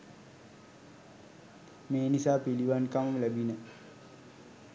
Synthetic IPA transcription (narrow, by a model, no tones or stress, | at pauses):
meːnisaːpiliʋankamɐmlæbinə